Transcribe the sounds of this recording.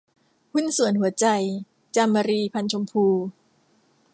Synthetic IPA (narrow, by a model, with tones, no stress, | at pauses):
hu˥˩nsu˨˩˦ənɦu˩˦ɐt͡ɕa˧j | t͡ɕa˧mːa˧ɾiː˧pʰa˧nt͡ɕʰo˧mpʰuː˧